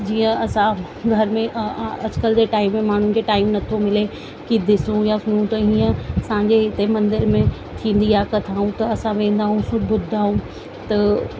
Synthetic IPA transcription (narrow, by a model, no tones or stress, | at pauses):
d͡ʑiːə̃ɐsã | ɡʱɐɾmẽʔɐd͡ʑkəld͡ʑeːʈaːɪmːẽmaːɳ̤ʊnɪ̆kʰeʈaːɪmnɐt̪ʰomɪle | kid̪ɪsũjasʊnũt̪ɐiːə̃sãːɲd͡ʑeɦɪt̪emɐ̃nd̪ɪɾmẽ | t̪ʰĩːn̆d̪iakɐt̪ʰaːɦũt̪ɐɐsãʋẽːn̆d̪aːɦũsʊbʊd̪ʱaːɦũ | t̪ɐ